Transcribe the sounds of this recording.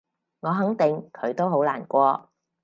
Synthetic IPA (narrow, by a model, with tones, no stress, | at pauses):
ŋɔː˨˧ɦɐ˨˥ŋt̪ɪ˨ŋkʰɵ˨˧ɥt̪o˥wɦo˨˥wlaː˨˩nkʷɔː˧